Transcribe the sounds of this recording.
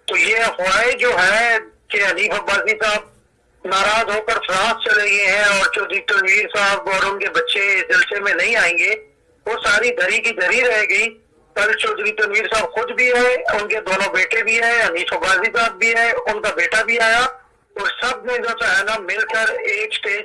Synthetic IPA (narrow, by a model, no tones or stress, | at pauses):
t̪oːjefʊɾaːed͡ʒoːɦɛkeɦɐniːfɐɡaːzisaːəb̚ | naːɾaːzɦoːkəɾfɾãːst͡ʃɐleɡɐeɦɛ̃ɔːɾt͡ʃɔːd̪ɾit̪ɐnwiːɾsaɦəbɔːɾʊnkebɐtːʃesd͡ʒɪlsemẽnɐɦĩaːẽːŋɡe | ʋoːsaːɾid̪ʱɐɾikizɐɾiɾɐɦeɡɐi | bɐlt͡ʃɔːd̪ɾit̪ɐnwiːɾsaːbxʊd̪bʱiɛ̃ʊnked̪oːnõbeːʈebʱiɦɛ̃ɦɐniːfɐbaːzisaːb̚ːʱiɦɛ̃ʊnkabeːʈabʱiaːja | ɔːɾsɐb̚mẽd͡ʒoːt͡ʃaːɦɛnamɪlkəɾeːksʈeːd͡ʒ